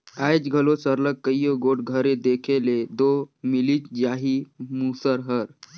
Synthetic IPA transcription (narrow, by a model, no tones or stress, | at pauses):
ajd͡ʒɡʱəlosəɾləkkːəjoɡoʈɡʱəɾed̪ekʰeled̪omilit͡ʃd͡ʒaɦimusəɾɦəɾ